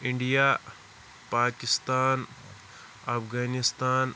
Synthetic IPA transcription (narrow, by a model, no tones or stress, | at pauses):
ɪ̃ɳɖijaː | paːkɪst̪aːn | ɐpɡaːnɪst̪aːn